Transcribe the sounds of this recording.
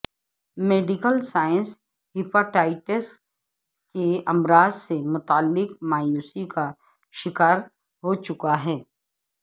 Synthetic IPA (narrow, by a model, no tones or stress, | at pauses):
meːɖɪkəlsaːə̃ns | hɪpaʈaːɪʈəs | keɐmɾaːzsemʊt̪aːlːɪkmaːjuːsika | ʃɪkaːɾ | ɦot͡ʃʊkaɦɛː